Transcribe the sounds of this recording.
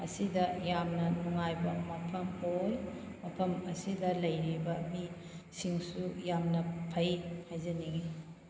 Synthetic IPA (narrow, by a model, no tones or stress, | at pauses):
ɐ̰sidɐjamnɐnuŋajbɐmɐpʰɐmoj | mɐpʰɐmɐsidɐlɐjɾibɐmi | siŋsujamnɐpʰɐjhajzɐniɡi